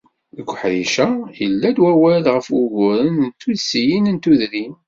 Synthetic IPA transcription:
ðəkʷːħɾiʃæjəlːæd̪wæwælʁəfwʊʝʊɾənnt̪ːuðsijinənt̪uðɾin

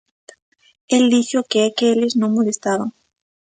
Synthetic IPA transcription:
eld̪iʃokeɛkeelɪznõŋmolest̪aβaŋ

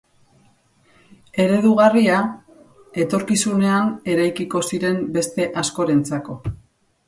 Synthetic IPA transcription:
e̞ɾe̞ðuɣaria | e̞t̪o̞ɾkisune̞ane̞ɾajkiko̞siɾe̞mbe̞st̪e̞ʔaskoɾe̞nt͡sako̞

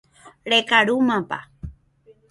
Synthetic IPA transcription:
ɾekaɾumãpa̰

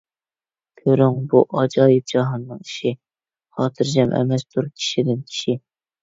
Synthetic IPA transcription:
kʲʰøɾyŋbuʔɑd͡ʒɑːjɨp̚d͡ʒɑɦɑnːɨŋiʃi | χɑːt̪ʰɨɾd͡ʒɛmʔɛ̰mɛst̪ʰuɾkʲʰi̥ʃid̪ɪnkʲʰi̥ʃi

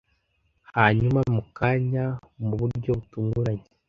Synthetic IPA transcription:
haɲumamukaɲamuβuɾɟo̞βutuːŋɡuɾaɲe

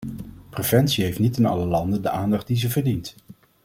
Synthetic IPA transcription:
prev̥ɛntsiɦejftnitɪnɑ̰ləlɑndəndəʔaːndɑχt̚dizəvəɹdint

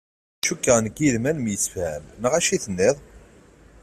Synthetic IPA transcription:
ʃukːəʁnəɡiðmænmjəsə̥fhæmnəʁæʃiθənːɪðˤ

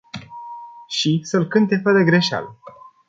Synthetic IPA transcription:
ʃisəlkɨnt̪e̞fəd̪əɡɾeʃa̰l

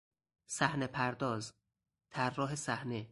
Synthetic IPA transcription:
sæhnepʰæɾd̪ɒːz | t̪ʰærːɒːɦesæhne

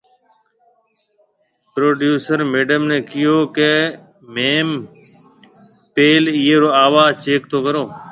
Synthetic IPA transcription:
pɾoːɖjuːsəɾmeːɖəmneːkɪjoːke | meːm | peːliːeːɾoːaːʋaːzt͡ʃeːk̚t̪ʰoːkəɾoː

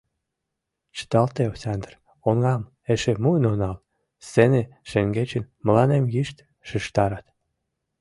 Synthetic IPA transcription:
t͡ɕə̥t̪ɑlt̪eosɑnd̪r | oŋɑm | eʃemuənonɑl | seneʃeŋɡet͡ɕənmə̆lɑnemjiʃt̪ | ʃəʃt̪ɑɾɑt̪

